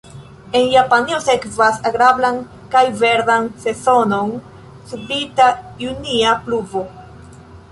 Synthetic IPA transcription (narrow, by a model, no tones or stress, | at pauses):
e̞njapanio̞se̞kvasaɡɾablan | kajve̞ɾdanse̞so̞no̞n | suplitajuniapluvo̞